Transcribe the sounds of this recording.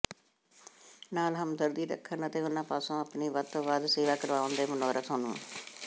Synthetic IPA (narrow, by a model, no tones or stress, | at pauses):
naːlɦəmd̪əɾd̪iːɾə̰kʰːənət̪eːʊnãːpaːsõːəpniːʋət̪ːʋaːd̪seːʋaːkəɾʋaːʋʊnd̪eːmənɔːɾət̪ɦõːnṵ̃ː